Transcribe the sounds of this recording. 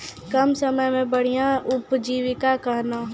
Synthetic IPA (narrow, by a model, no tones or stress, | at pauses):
kəmsəməjmẽbəɽ̤ijãʊpd͡ʒiːʋɪkakəɦna